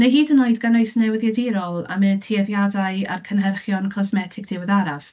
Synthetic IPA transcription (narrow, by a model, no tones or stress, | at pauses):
nejɦiːdənoɨdɡanojsnɛwðjadɪɾɔlˠa̰mɛtʰiɛðjadaɨa̰rkʰənɦɛrχjɔnkʰɔsmɛtʰɪɡ̚d̥ɪwəðaɾav̥